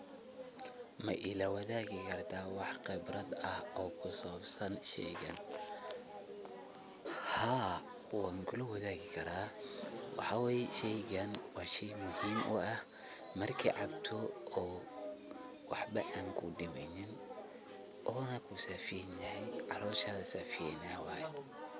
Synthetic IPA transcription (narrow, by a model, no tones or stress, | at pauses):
mɐ̰ʔɪlɐwɐðaːɣɪkʰɐrt̪ʰaːwɑħqɪbrɐd̪ɐhɔːkʰʊsɐβɐbsɐnʃɛ̰jɣɐ̰n | haː | waːŋkʰʊlʊwɐðaːɣɪkʰɐɾaːwɑ̰ħɑwɛːjɛʃɛjɣɐnwɑːʃɛjmʊhiːmʔʊ̰ɐh | mɐrkʰḭːʕɑbt̪ʰɔɔː | wɑħbɐʔaːŋkʰʊ̰ɖɪmɛjnɪn | ʔɔːnɐkʰʊsaːfɪjɛnjɐhɛjʕɑ̰ɾɔːʃɐðɐsaːfɪɛnɐwaːjɛ